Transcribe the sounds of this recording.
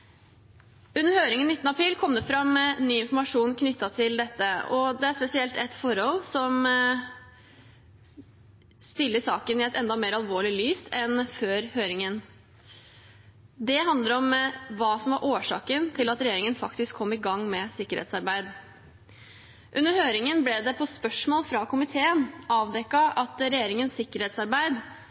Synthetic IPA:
ʉnːəɾhøːɾɪŋənnɪt̪ːnəɑpʰɾiːlkʰɔmd̪ɛfɾɑmnyːɪnfɔɾmɑʂuːnkʰnʏt̪ːɑt̪ʰɪld̪ɛt̪ːəɔd̪ɛæspɛsɪɛlt̪ɛt̪fɔɾɔlsɔm | st̪ɪlːəsɑːkənɪɛt̪ɛnd̪ɑmeːɾɑlʋoːɭɪlyːsɛnføːɾhøːɾɪŋən | d̪ɛɦɑnd̪ləɾɔmʋɑːsɔmʋɑɾʔoːʂɑ̰ːkənt̪ʰɪlɑt̪ɾɛjeːɾɪŋənfɑkt̪ɪskʰɔmːɪɡɑŋːmɛsɪkːəɾhḛt̪sɑɾbæɪd̪ | ʔʉnːəɾhøːɾɪŋənblɛd̪ɛpʰɔspœʂmoːlfɾɑkʊmɪt̪ʰeːənʔɑːʋd̪ɛkːɑɑt̪ɾɛjeːɾɪŋənsɪkːəɾheːt̪sɑɾbæɪd̪

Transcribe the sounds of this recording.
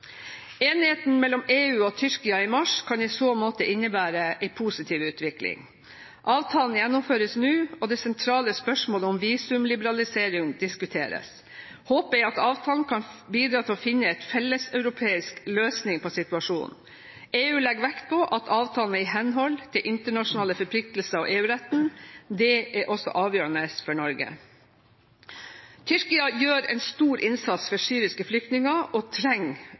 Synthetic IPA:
eːnheːt̪n̩mɛlːɔmeːʉːɔt̪ʰʏʂkɪɑɪmɑʂkʰɑniɪsoːmoːt̪əʔɪnːəbæːɾəʔɛɪpʰuːsɪt̪ʰiːʋʉːt̪ʋɪklɪ̰ŋ | ʔɑːʋt̪ʰɑːln̩jɛnːʊmføːɾəsnʉːɔd̪ɛːsɛnt̪ʰɾɑːləspœʂmoːləʊmʋiːsʉmlɪbəɾɑlɪseːɾɪŋd̪ɪskʉt̪ʰeːɾə̰s | hoːpəɛɪɑt̪ɑːʋt̪ʰɑːln̩kʰɑnbiːd̪ɾɑːt̪ʰɪlɔfɪnːəɛt̪fɛlːəsœʉɾʊpʰeːɪskløːsnɪŋpʰɔsɪt̪ʉɑʂuːn | eːʉːlɛɡʋækt̪̚pʰɔʔɑt̪ʰɑːʋt̪ʰɑːln̩əɪɦɛnɦɔlt̪ʰɪlʔɪnt̪əɳɑʂʊnɑːləfɔɾpʰlɪk̚t̪lsəɔʔeːʉːɾɛt̪ːn̩d̪ɛʔɛʔɔsɔ̰ʔɑːʋjøːɾənəsfɔɳɔɾɡə̰ | t̪ʰʏɾkɪɑjøːɾɛ̰ɪnst̪uːɾʔɪnsɑt̪sfɔɾsyːɾɪskəflʏkt̪nɪŋɑʔɔt̪ʰɾɛŋ

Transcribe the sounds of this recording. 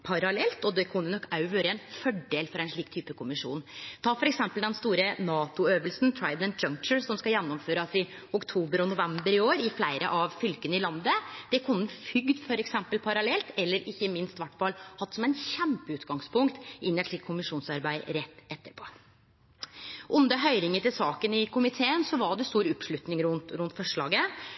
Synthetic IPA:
pʰɑɾɑlɛlt̪ɔd̪ɛkʰʊnːənɔkɑʉʋøːɾəɛnfɔɖeːlfɔɾæɛnʂɭiːkt̪ʰyːpəkʰʊmɪʂṵːnt̪ʰɑːfɔɾɛksɛmpəld̪ɛnst̪uːɾənɑːt̪ʊøːʋəlsn̩t̪ʰɹɑɪd̪ɛn̚d͡ʒœŋk̚t͡ʃəɹsɔmskɑjɛnːɔmføːɾɑsɪ | ʊkt̪ʰuːbəɾɔnʊʋɛmbəɾɪoːɾɪflæɪɾə̰ʔɑʋfʏlkənəɪlɑnd̪əd̪̥ɛkʰʊnːəfʏɡd̪fɔɾɛksɛmpəlpʰɑɾɑlɛlt̪ɛlːəɾɪçːəmɪnst̪ʋæʈːfɑlhɑt̪ːsɔmæɪnçɛmpəʉːt̪ɡɑŋspʰʊŋkt̪ɪnːəʂɪkʰʊmɪʂuːnsɑɾbæɪɾɛt̪ːɛt̪ːəɾpʰoː | ʔʊnd̪əɦœʏɾɪŋət̪ɪlsɑːkənɪkʰʊmɪt̪ʰeːənsɔʋɑɖɛst̪uːɾʊpʂɭʉt̪nɪŋɾʊnt̪ɾʊnt̪fɔʂɭɑ̰ːɡə

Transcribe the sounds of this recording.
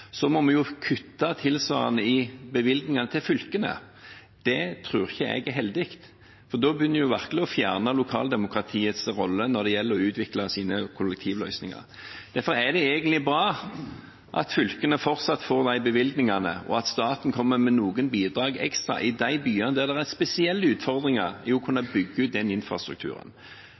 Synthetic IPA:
sɔmɔmɛjʊkʰʉt̪ːɑt̪ʰɪlsʋɑ̰ːɾənəɪbəʋɪlɡ̪nɪŋɑnət̪ʰɪlfʏlkənə̰ | d̪̥ɛt̪ʰɾʉːɾɪçːəɛ̰ɡɦɛld̪ɪkt̪ | fɔʁd̪oːbjʏnːəɾjʊʋæʁkələɔfjæːʁnɑlʊkʰɑ̰ːld̪ɛmʊkɾɑt̪ʰiːət̪sɾɔlːənɔɾd̪ɛjɛlːəɾɔʉːt̪ʰʋɪklɑsiːnəkʰʊlɛkt̪ʰiːʋlœ̰ʏsnɪŋɑ̰ɾ | d̪̥æɾfɔɾæd̪ɛeːɡənt̪lɪbɾɑː | ʔɑ̰t̪fʏlkənəfɔɾt̪sɑt̪foːʁd̪æɪbəʋɪlɡ̪nɪŋɑnə̰ɔ̰ɑt̪st̪ɑːt̪n̩kʰɔmːəmɛnuːɡənbiːd̪ɾɑːɡɛ̰kst̪ʁɑ̰ʔɪd̪æɪbyːɑnəd̪æʁd̪ɛʁæʁspɛsɪɛlːəʉːt̪fɔʁd̪ɾɪŋɑɾɪɔkʰʉnːɑbʏɡːəʉːt̪̚d̪ɛnɪnfɾɑ̰st̪ɾʉ̰k̚t̪ʰʉ̰ːɾə̰n

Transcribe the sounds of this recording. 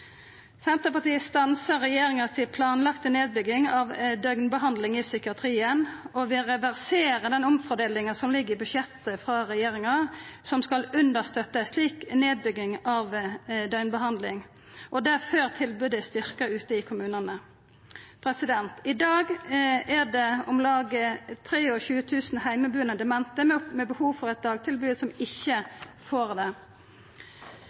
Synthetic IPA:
sɛnt̪əpɑt̪iːəst̪ɑnsəʁɛjeːɾɪŋɑsɪpʰlɑːnlɑkt̪əneːd̪̚bʏɡɪŋɑʋd̪œʏnbəɦɑnd̪lɪŋɪsʏkɪɑt̪ʰɾiːənɔʋɪlʁɛʋæʁseːɾəd̪ɛnʊmfɔd̪eːlɪŋənsɔmlɪɡːəʁɪbʉʃjɛt̪ːəfɾɑʁɛjeːɾɪŋɑsɔmskɑlʉnd̪əʁst̪œt̪ːəsliːkneːd̪̚bʏɡːɪŋɑʋd̪œɪnbəhɑnd̪lɪŋ | ʔɔd̪æføʁt̪ʰɪlbʉːd̪əst̪ʏʁkəʉːt̪əɪkʰʊmʉːnənə | pʰɾɛsɪd̪ɛnt̪ɪd̪ɑːɡæd̪ɛɔmlɑːɡət̪ʰɾeːɔçʉːət̪ʰʉːsnhæɪməbʉːənəd̪ɛmɛnt̪əmɛbəhuːʋfɔʁɛt̪̚d̪ɑːɡ̚t̪ʰɪlbʉːəsɔmɪçːəfoːɾd̪ɛ

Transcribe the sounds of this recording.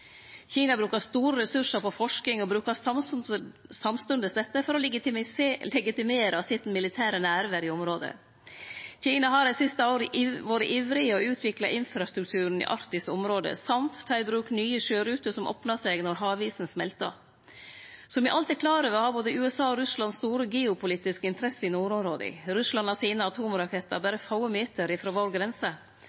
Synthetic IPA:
çiːnɑbɾʉːkɑst̪uːɾəɾɛsʉʂəɾpʰɔfɔʂkɪŋɔbɾʉːkɑsɑ | sɑmst̪ʉnd̪əsd̪ɛt̪ːəfɔɾɔ | lɛɡɪt̪ɪmeːɾʔɑsɪt̪n̩mɪlɪt̪ʰæːɾənæɾʋəɾɪɔmɾoːd̪ə̰ | çiːnɑɦɑɾæsɪst̪əoːɾəʋoːɾəʔiːʋɾɪəɔʉːt̪ʰʋɪklɑʔɪnfɾɑst̪ɾʉk̚t̪ʰʉːɾɳ̩ḭʔɑ̰ɾt̪ɪsɔmɾoːd̪ə̰sɑmt̪t̪ʰːɑɪbɾʉːknyːəʃøːɾʉːt̪əsɔmʔo̰ːpnɑsɛɡnɔɾɦɑːʋiːsn̩smɛlt̪ɑ̰ | sɔmʋɪʔɑlt̪ɪkʰlɑːɾəʋɛhɑɾboːd̪əʉːɛsɑːɔɾʉslɑnst̪uːɾəɡeːʊpʰʊliːt̪ɪskəɪnt̪ʰɾɛsəɪnuːɾɔmɾoːd̪ɪ̰ɾʉslɑnɑsiːnəɑt̪ʰuːmɾɑkʰɛt̪ːɑ̰bæɾəfɑʊəmeːt̪əɾɪfɾoːʋoːɾɡɾɛnsə

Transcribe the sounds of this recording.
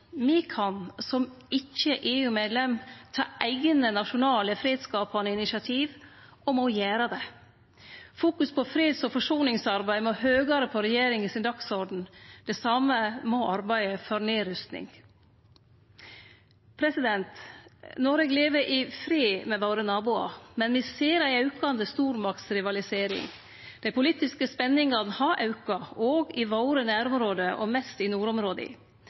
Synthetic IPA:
mikʰɑnsɔm | ɪçːəʔeːʉːmeːd̪lɛmt̪ʰɑ̰ːʔæɪɡənənɑʃʊnɑːləfɾeːd̪skɑːpɑnəɪnɪsɑt̪ʰiːʋ | ɔmɔjæːɾɑd̪ɛ | fuːkʉspʰɔfɾeːd̪sɔfɔʂuːnɪŋsɑɾbæɪmɔhøːɡɑɾəpʰɔɾɛjeːɾɪŋɪsɪnd̪ɑksɔɖn̩d̪ɛsɑməmɔʔɑɾbæɪəfɔɾneːɾʏst̪nɪ̰ŋ | pʰɾɛsɪd̪ɛnt̪nɔɾɛɡleːʋəʔɪfɾeːmɛʋoʊɾənɑːbʊɑ̰mɛnʋɪseːɾæɪɑʉkɑnd̪əst̪uːɾmɑk̚t̪sɾɪʋɑlɪseːɾɪ̰ŋ | d̪̥æɪpʊliːt̪ɪskəspɛnːɪŋɑd̪n̩hɑʔɑʉkɑoːɡɪʋoʊɾənæːɾɔmɾoːd̪əʔɔ̰mɛst̪ɪnuːɾɔmɾoːd̪ɪ̰

